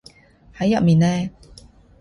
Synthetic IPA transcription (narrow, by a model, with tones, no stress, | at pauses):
hɐ˨˥jːɐ̰˨p̚miː˨nɛː˥